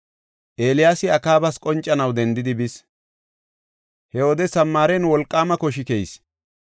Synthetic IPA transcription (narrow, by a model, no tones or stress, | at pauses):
ʔeːlɪjaːsɪɐkaːbɐskʼɔnt͡ʃʼːɐnɐwd̪ɛnd̪ɪd̪ɪbɪs | hɛwoːd̪ɛsɐmːaːɾɛnwɔlkʼːaːmɐkɔʃ̬ɪkejs